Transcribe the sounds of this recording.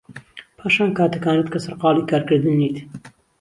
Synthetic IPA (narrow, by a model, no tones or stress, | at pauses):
pʰɑːʃɑːnkɑːt̪əkɑːnɐt̪kɐsɐɾqɑːlikɑːɾkəɾd̪ɨnːit̪